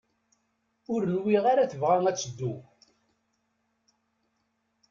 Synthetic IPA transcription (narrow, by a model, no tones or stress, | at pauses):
ʊɾənwiʁaɾaθəvʁaŋæt͡sːd̪ːu